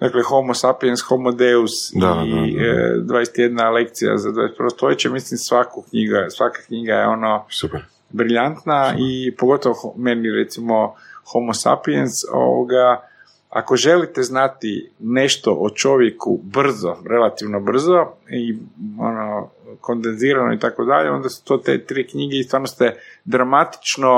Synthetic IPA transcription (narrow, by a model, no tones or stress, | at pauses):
d̪aklexomosapiensxomod̪eusd̪aḭ | d̪ʋajest̪jed̪nalek̚t̪sija̰zad̪va̰ːjest̪pɾost̪ojet͡ɕamislimsʋakukɲiɡasʋakḁkɲiɡajeo̞no̞supɛɾ | bɾiʎant̪naipoɡo̞t̪oʋoxomeniɾḛt̪simoxomosa̰pienso̰ʋo̰ɡa | a̰koʒe̞lit̪eznat̪ine̞ʃt̪oʔot͡ʃo̞ʋjekubr̩zoɾe̞lat̪iʋnobr̩zoio̰no | ko̞nd̪enziːɾanoit̪akod̪aʎḛo̞nd̪asu̥t̪oːt̪ḛt̪ɾikɲiɡeist̪ʋaːɾnost̪ed̪ɾamat̪i̥t͡ʃno